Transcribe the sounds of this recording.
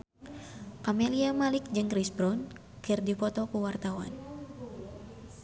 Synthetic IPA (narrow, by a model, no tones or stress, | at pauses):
kameliamalɪk̚d͡ʒɨŋkɾisbɾɔn | kɨrdipɔt̪ɔkuwart̪awa̰n